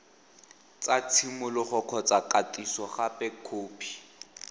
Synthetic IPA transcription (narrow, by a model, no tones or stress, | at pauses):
t͡sat͡sʰimʊlɪχʊkʰɔt͡sakʼatʼisɔχapʼɛkʰoːpʰi̥